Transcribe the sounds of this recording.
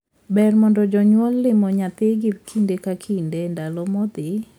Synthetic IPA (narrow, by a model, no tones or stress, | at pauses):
bɛrmɔndɔd͡ʒɔɲwɔlːɪmɔɲat̪ɪɡɪkʰindekakʰindendalɔmɔd̪ɪ